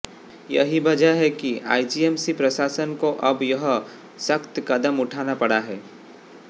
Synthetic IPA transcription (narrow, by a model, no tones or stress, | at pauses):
jɐ̰ɦibɐd͡ʒaɦɛkia̰ːid͡ʒiːeːmsipɾɐsaːsənkoʔɐbjɐɦ | sɐkt̪kɐd̪əmʊʈʰaːnapɐɽaɦɛː